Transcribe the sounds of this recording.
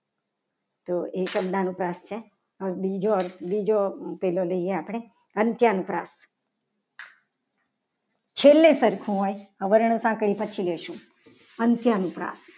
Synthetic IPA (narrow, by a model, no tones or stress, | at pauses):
t̪oʔeʃəbd̪anũpɾast͡ʃʰe | əbid͡ʒoəɾt̪ʰbid͡ʒopeloləijeapɽ̃e | ənt̪janũpɾas | t͡ʃʰelːẽsəɾkʰũɦojɦəʋəɾɳ̃sãkɽipət͡ʃʰileʃũ | ənt̪janũpɾa̰s